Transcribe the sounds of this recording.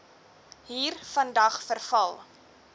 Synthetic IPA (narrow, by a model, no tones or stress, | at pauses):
ɦiːrfɐndɐχfərfɐlˠ